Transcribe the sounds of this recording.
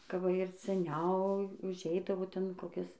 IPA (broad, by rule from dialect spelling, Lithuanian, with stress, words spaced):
kɐ ˈʋɐ ɪr sʲɛˈnʲɛʊ ʊʒʲˈɛɪdɐʋoː ˈtʲɛn koːˈkʲɪs